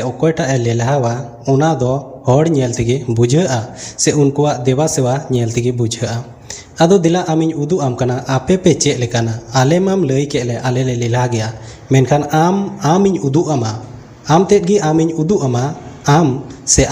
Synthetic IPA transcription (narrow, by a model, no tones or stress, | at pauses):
ɛʔɔkɔjʈaʔɛlɛlɦawa | ɔnad̪ɔhɔɽɲɛlt̪ʰɛɡɛbud͡ʒʱəʔasɛʔunkuwaʔd̪ɛwasɛwaɲɛlt̪ʰɛɡɛbud͡ʒʱəʔa | ad̪ɔd̪ɛlaʔamiɲud̪uʔamkanaʔapɛpɛt͡ʃɛʔ̪̚lɛkanaːlɛmamləjkɛʔlɛʔalɛlɛlɛlɦaɡɛjaʔ | mɛnkʰanamamiɲud̪uʔama | amt̪ɛt̪̚ˀɡiʔamiɲud̪uʔamaamsɛʔ